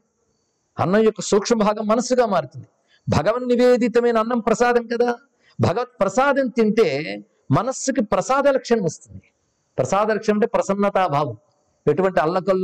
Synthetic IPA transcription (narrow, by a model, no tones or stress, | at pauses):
ɐ̰nːɐmjɔkːɐsuːkʂɐmɐbʱaːɡɐmːɐnɐsːuɡaːmaːɽit̪und̪i | bʱɐɡɐʋɐnniʋeːd̪it̪ɐmeːnɐnːɐmpɾɐsaːd̪ʱɐmkɐd̪aː | bʱɐɡɐʋɐt̪̚pɾɐsaːd̪ɐnt̪iɳʈeː | mɐnɐsːukipɾɐsaːd̪ɐlɐkʂɐɳɐmɐst̪und̪i̥ | pɾɐsaːd̪ɐlɐkʂɐɳɐmɐɳʈepɾɐsɐnːɐt̪aːbʱaːʋɐm | eʈuʋɐɳʈiɐlːɐkɐlː